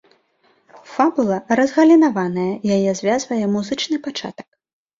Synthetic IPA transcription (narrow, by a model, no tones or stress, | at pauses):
fabulˠɐɾɐzɣɐlʲinavan̪ɐjɐjajɛzʲvʲazvɐjɛmuzɨt͡ʂnɨpat͡ʂa̰t̪ɐ̥k